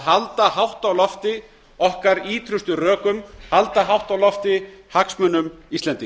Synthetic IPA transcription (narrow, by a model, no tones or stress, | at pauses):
ɦalt̪aɦawht̪awlɔft̪ɪ | ɔhkaɾiːt̪ʰɾʏst̪ʏrœːkʏmhalt̪aɦawht̪awlɔft̪ɪhaksmœnːʏmist̪lɛnt̪ɪ